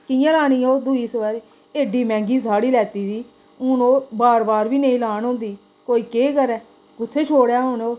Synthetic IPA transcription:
kɪjãːlaːɽ̃iːoːd̪uːiːsəʋaːɾe | eːɖiːmɛ̃ːŋɡiːsaːɽiːlɛːt̪iːd̪iː | ʊnoːbaːɾbaːɾʋiːnəĩːlaːnõːnd̪iː | koːiːkeːkəɾɛː | ɡʊt̪ʰːeːt͡ʃʰoːɽjaːɦʊnoː

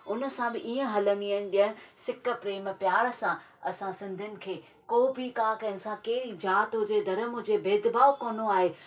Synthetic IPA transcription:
ʊnə̆sãbɪʔiːə̃ɦɐləniənɪ̆ɗijəɽ̃ɪ̆sɪkə̆pɾeːmpjaːɭsã | ɐsãsɪ̃nd̪ʱɪnɪ̆kʰeː | koːbʱikaːkɐnɪ̆sãkeːɾid͡ʑaːt̪od͡ʑeːd̪ɐɾəmʊ̃d͡ʑebeːd̪baːokoːnoaːɦeː

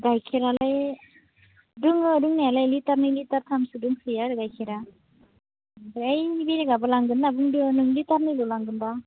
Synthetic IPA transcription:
ɡajkʰeɾalaj | duŋɯduŋnajalajlitaɾnɯlitaɾtʰamsɯduŋsɯjaɾɯɡajkʰiɾa | bɾejbiɾiɡabɯlaŋɡɯnːabɯŋdɯnɯŋlitaɾnɯjlulaŋɡɯnba

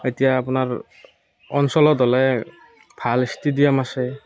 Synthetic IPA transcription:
etijaːpʊnaɹ | ɔnsɔlɔdɔlɛ | b̥ʱalistidijamasɛ

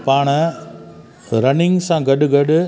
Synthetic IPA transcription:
paːɳɐ | ɾɐnɪŋsãɡɐɖɯɡɐɖɯ

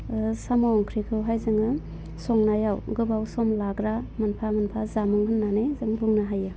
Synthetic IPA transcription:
samaŋkʰɾikʰɯwɦajzɯŋɯ | sɔŋnajawɡɯbawsɔmlaɡɾamanpʰamanpʰazamɯŋɦɯnːanezɯŋbuŋnaɦajɯ

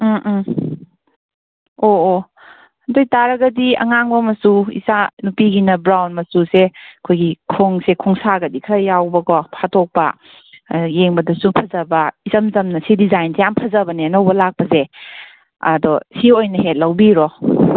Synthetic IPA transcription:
oː | hɐndojtaɾɐɡɐdiɐ̰ŋaŋbɐmɐsuḭsanupiɡinɐbɾawnmɐsuseɐkʰojɡikʰoŋsekʰɔŋsaɡɐdikʰɾɐjawbɐkɔpʰatok̚pɐ̰ | jeŋbɐdɐsupʰɐzɐbɐizɐmzɐmnɐsidizajnsejampʰɐzɐbɐniɐnɐwbɐlak̚pɐze | ɐ̰dɔsiojnɐɦet̚lɐwbiɾɔ

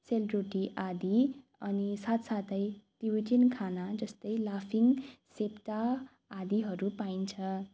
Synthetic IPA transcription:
selroʈiʔad̪i | ʌnisat̪sat̪ʌjʈiwiʈinkʰanad͡zʌst̪ʌjlapʰiŋsepʈaː | d̪iɦʌɾupaint͡sʰʌ

